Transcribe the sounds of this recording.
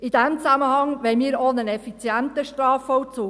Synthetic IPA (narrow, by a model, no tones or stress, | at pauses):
id̥̪æmt͡sæməhɑŋʋɛɪmiːɾonənɛfit͡sjænt̪əʃtɾɑːfɔwt͡suː